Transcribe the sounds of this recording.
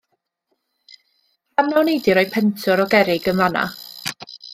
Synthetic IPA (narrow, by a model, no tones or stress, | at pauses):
panɔnejdɪɾɔjpʰɛntʰʊɾɔɡɛɾɪɡəmvana̰